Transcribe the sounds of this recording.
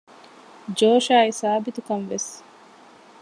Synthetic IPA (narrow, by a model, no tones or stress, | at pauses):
d͡ʒoːʃaːisaːbit̪ukɐnʋes